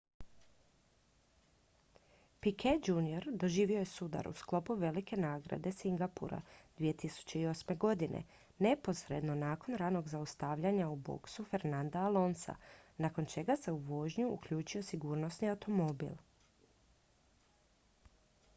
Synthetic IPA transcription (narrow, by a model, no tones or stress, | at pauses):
pikʰed͡ʒunio̞ɾd̪o̞ʒiːʋio̞jesud̪a̰ɾṵsklo̞puʋe̞like̞naːɡɾa̰d̪e̞siŋɡapṵɾa̰d̪̥ʋije̞t̪isu̥t͡ɕe̞io̞sme̞ɡo̞d̪inʔḛ | ne̞po̞sɾe̞d̪no̞naːko̞nɾaːno̞ɡzaust̪aʋʎaɲaubo̰ksufe̞ɾnand̪aalˠo̞nsa̰nako̞nt͡ʃe̞ɡase̞uʋo̞ːʒɲuṵkʎuːt͡ʃio̞siɡuːɾnosniawt̪o̞mo̞bḭlˠ